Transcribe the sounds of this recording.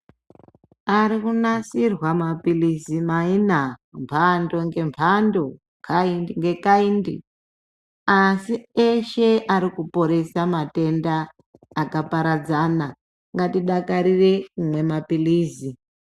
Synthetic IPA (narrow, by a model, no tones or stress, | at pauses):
aɾikunasirwamapilisimainampʰando̞ŋɡe̞mpʰando̞ | kʰainŋɡe̞kaindi | asieʃe̞ʔaɾikupo̞ɾe̞samate̞ndaː | kapaɾad͡zana | ŋɡatiɗakaɾire̞kumwe̞mapiliːzi